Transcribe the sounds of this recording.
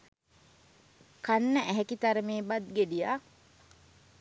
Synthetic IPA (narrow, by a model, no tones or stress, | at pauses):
kanːəʔæɦekit̪ɐɾəmeːbɐt̪̚ɡeɖijaː